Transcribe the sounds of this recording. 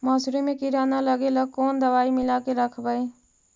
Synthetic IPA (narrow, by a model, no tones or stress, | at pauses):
məsɾimekiɾanaləɡeləkoːnd̪əʋaːimɪlakeɾəkʰbəj